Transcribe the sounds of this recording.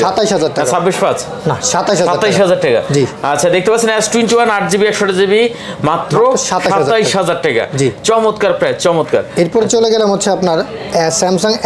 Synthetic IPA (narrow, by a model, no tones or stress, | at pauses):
ʃat̪ajʃɦad͡ʑaɾʈɛkasabːiʃpad͡ʑʰ | naʃat̪ːajʃɦaʃaaɾt̪ːajʃɦad͡ʑaɾʈɛka̰d͡ʑiatːɕʰad̪ek̚t̪epaɾt͡ɕʰinaɛsʈuint͡ɕiwanaʈ̚d͡ʑibiɛkʃɔʈad͡ʑibi | mat̪ːɾoʃat̪ʃaʃaat̪ːajʃɦad͡ʑaɾʈɛka̰d͡ʑit͡ɕɔmot̪kaɾpɾat͡ɕɔmot̪ka̰ɾeɾpɔɾet͡ɕoleɡɛlemɦotːɕʰeapnaɾ | ɛsɛmsoŋ